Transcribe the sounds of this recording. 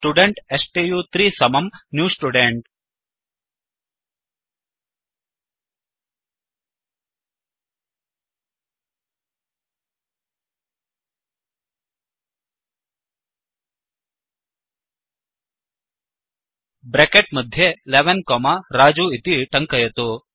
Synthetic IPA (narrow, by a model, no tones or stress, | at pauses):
sʈuɖeɳʈesʈejuːt̪ɾiːsɐmɐmnjuːsʈuɖeɳʈ | bɾekeʈ̚mɐd̪ʱjeleʋenkoːmaɾaːd͡ʒuit̪iʈɐŋkɐjɐt̪u